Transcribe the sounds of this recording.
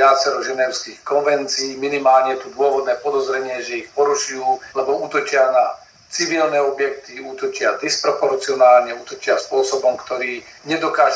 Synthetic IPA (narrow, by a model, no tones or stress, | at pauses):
at͡sɛɾɔʒɛnɛʊskiːxkɔnʋɛnt͡siːminimaːlɲɛjɛt̪ud̪ʊɔʋɔd̪nɛːpɔd̪ɔzɾɛɲɪɛʒɛixpɔɾuʃujuːlɛbɔuːt̪ɔt͡ʃɪana | t͡siʋilnɛːɔbjɛk̚t̪iuːt̪ɔt͡ʃɪad̪ispɾɔpɔɾt͡siɔnaːlɲɛuːt̪ɔt͡ʃɪaspʊɔsɔbɔmkt̪ɔɾiːɲɛd̪ɔkaːʒ